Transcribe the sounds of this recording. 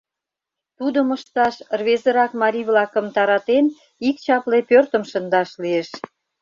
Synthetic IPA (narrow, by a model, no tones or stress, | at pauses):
t̪ud̪əməʃt̪ɑʃrβezə̆ɾɑkmɑɾʲiβlɑkə̆mt̪ɑɾɑt̪en | ik̚t͡ɕɑplepørt̪əmʃə̆nd̪ɑʃlieʃ